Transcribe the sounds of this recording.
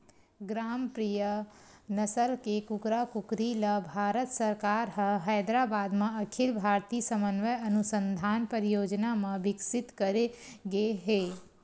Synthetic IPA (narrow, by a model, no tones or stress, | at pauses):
ɡɾaːmpɾijənəsəlkekʊkɾakʊkɾiləbʱaːɾət̪səɾkaːɾɦə̃ɦɛːd̪ɾabaːd̪mẽɐkʰilbʱaːɾt̪isəmənʋəjɐnusə̃nd̪ʱaːnpəɾijoːd͡ʒnamẽbɪksɪt̪kəɾeɡeɦeː